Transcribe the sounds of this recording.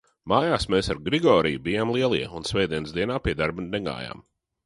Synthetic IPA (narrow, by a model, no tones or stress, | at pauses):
maːjaːsmeːsaɾɡɾiɡɔːɾijubijaːmlˠiɛlˠḭɛunsvɛjd̪iɛnsd̪iɛnaːpiɛd̪aɾbunnɛɡa̰ːja̰ːm